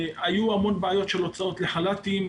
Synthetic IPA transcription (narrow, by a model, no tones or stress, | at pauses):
ajuamo̞nbeajo̞tʃe̞lo̞t͡sao̞t̪le̞χalat̪im